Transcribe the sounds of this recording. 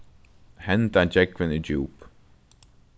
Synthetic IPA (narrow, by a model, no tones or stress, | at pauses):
hɛnd̪and͡ʒɛɡvənəd͡ʒuːp